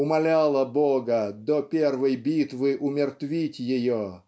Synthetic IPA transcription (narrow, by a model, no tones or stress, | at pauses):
ʊmɐlʲalˠəboɡəd̪opʲervəjbʲit̪vɨʔʊmʲɪrt̪vʲitʲjɪjo